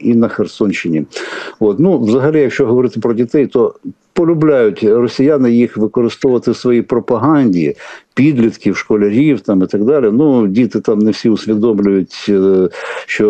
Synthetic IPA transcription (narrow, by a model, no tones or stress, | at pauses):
inɐxersɔnʲʃt͡ʃɪnʲiot̪nuʋzɐɦɐlʲijɐkʃt͡ʃɔɦɔʋɔɾɪt̪ɪpɾɔdʲit̪ɛjt̪ɔ | pɔlʲʊblʲajʊtʲrɔsʲijanɪjixʋɪkɔɾɪst̪ɔʊʋɐt̪ɪsʋɔjipɾɔpɐɦɑnʲdʲḭpʲid̪ʲlʲit̪kʲiwʃkɔlʲɐɾʲiwt̪ɑmit̪ɐɡd̪ɑlʲinudʲit̪ɪt̪ɑmnɛwsʲiʊsʲʋʲid̪ɔmlʲʊjʊtʲ | ʃt͡ʃɔ